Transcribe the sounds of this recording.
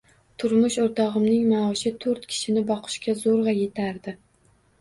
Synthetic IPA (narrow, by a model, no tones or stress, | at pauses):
t̪ʰʊɾmʊʃoɾt̪ʰɒʁɨmnɪŋmaɒʃɪt̪ʰɵɾt̪kʲʰɪ̥ʃɪnɪbɒqʰɨ̥ʃkʲazoɾʁɑje̞t̪ʰaɾd̪ɪ